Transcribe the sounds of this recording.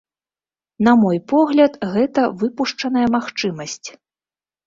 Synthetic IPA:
nɐmɔjpɔɣlʲɐt̪ɣɛt̪ɐvɨpuʂt͡ʂɐn̪ɐjɐmaxt͡ʂɨmɐsʲt͡sʲ

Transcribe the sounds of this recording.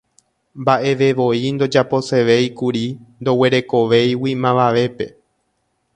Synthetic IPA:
mbaʔe̞ʋe̞ʋo̞ind̪o̞d͡ʒapo̞se̞ʋe̞jkuɾind̪o̞we̞ɾe̞ko̞ʋe̞jwimãʋaʋe̞pe̞̰

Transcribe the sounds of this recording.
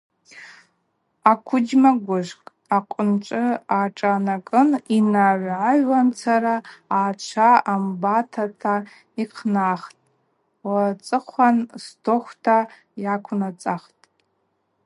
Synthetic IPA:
akʷʰʊd͡ʒmaɡʷʊʒʷkʼ | aqʷʼʊnʈ͡ʂʷʼɨaʈ͡ʂʼanakʼɨninaʕʷʕaʒwant͡sʰaɾaːt͡ʃʷʰaambatʰatʰa | iqʰnaχtʼ | wat͡sʼɨχʷanstʰoχʷtʰa | jakʷʰnat͡sʼaχtʼ

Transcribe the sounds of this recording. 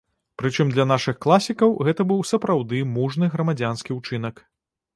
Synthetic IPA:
pɾɨt͡ʂɨmd̪lʲɐnaʂɨxklˠasʲikɐwɣɛt̪ɐbɨwsɐpɾawd̪ɨmuʐnɨɣɾɐmad͡zʲanskʲiwt͡ʂɨnɐk

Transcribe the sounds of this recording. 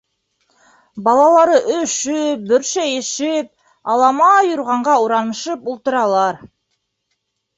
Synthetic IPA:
bɑlˠɑlˠɑɾɤʔɵʃɵp̚bɵ̆ɾʃæjeʃɪp̚ | ɑlˠɑmɑjŏɾʁɑɴɢɑuɾɑnɤ̆ʃɤpulˠt̪ɤ̆ɾɑlˠɑɾ

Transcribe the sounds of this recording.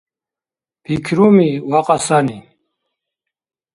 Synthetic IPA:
pʰikʰɾumiwaqʼasani

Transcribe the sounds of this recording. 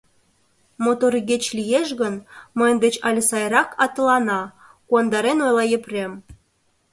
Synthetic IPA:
mot̪orɣet͡ɕlʲijeʃɣənməjənd̪et͡ɕɑlʲəsɑjɾɑkʰɑt̪ə̆lɑnɑ | kuɑnd̪ɑɾenojlɑjĕprʲem

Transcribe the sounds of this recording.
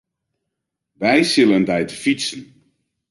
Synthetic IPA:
ʋɛjsɪləndɛjtəfisn̩

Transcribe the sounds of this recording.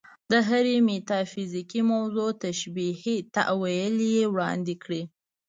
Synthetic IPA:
d̪əɦaɾemet̪ɑfizikimawzot̪aʃbihit̪a̰ʔwajəlijewɽɑ̰nd̪ikɽi

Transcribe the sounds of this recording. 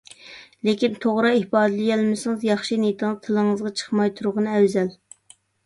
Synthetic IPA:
lekʲint̪ʰoʁɾɑihbɑːd̪lɪjɛlmɪsɨŋɨzjɑχʃinit̪ʰɨŋɨzt̪ʰɨlˠəŋɨzʁɑt͡ʃʰə̥χmɑjt̪ʰuɾʁɑnɛwzɛl

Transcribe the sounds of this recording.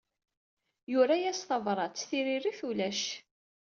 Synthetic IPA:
jʊɾæjæsθɑvɾˤɑt͡sːθiɾiriθulæʃ

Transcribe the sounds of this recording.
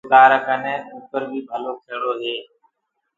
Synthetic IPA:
t̪aːɾəkənẽːũːkəɾbʱiːbʱəloːkʰeːɽoːɦeː

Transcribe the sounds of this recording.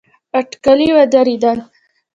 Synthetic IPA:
aʈkaliwad̪aɾid̪an

